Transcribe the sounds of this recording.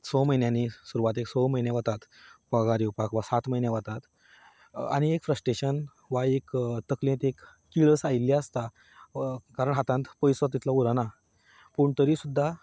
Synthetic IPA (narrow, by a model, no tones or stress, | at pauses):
sɔməjnjãnisuɾuʋat̪eksɔməjnjeʋat̪at̪ | pəɡaɾiupakʋasat̪məjnjaʋat̪at̪ | a̰ɽ̃iekfɾəsʈɾeɕən | ʋaekt̪əklẽt̪ekː | iɭəsailːjaəst̪a | kaɾəɳɦat̪ãnt̪pəjsɔt̪̬ːit̪lauɾana | puɳt̪əɾiːsud̪ʱːa